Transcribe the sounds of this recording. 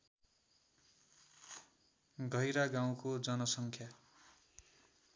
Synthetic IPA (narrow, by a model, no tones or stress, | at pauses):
ɡʱʌjɾaɡaw̃kod͡zʌnʌsʌŋkʰja